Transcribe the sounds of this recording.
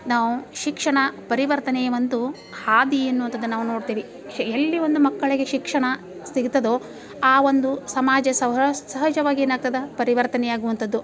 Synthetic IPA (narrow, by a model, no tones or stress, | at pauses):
naːʋuʃikʂɐɳɐpɐɾiʋɐɾt̪ɐnɛjɐʋɐnd̪u | haːd̪ienːuʋɐnt̪ɐd̪ːunaːʋuno̞ːɽt̪iːʋi | elːiʋo̞nd̪umɐkːɐɭiɡe̞ʃikʂɐɳɐ | siɡit̪ɐd̪oː | aːʋo̞nd̪usɐmaːd͡ʒɐsɐsɐɦɐd͡ʒɐʋaːɡinɐɡ̚t̪ɐd̪ɐpɐɾiʋɐɾt̪ɐnɛjaːɡuʋɐnt̪ɐd̪ːu